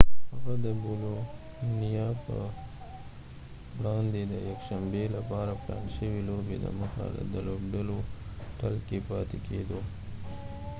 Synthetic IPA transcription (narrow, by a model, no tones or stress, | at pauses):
haɣad̪əbolo | nijɑpə̰ | ɽɑnd̪ed̪əjakʃambelapɑɾaplɑ̰nʃəwilobḛd̪ə̰məxa̰ld̪əlobɖaloʈəlkepɑt̪eked̪o